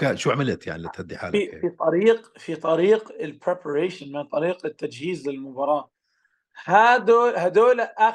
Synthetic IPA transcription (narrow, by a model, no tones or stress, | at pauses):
kaʃuːʕamɪlt̪ja̰ʕnilɪt̪had̪ːɪħa̰ːlifit̪ˤɑɾiːqfit̪ˤɑɾiːqɪlpɾepʰaɾeːʃɪnmɪnt̪ˤɑɾiːqɪt̪ːad͡ʒhiːzlɪlmʊbɑɾˤɑː | had̪oːlhad̪oːlʔa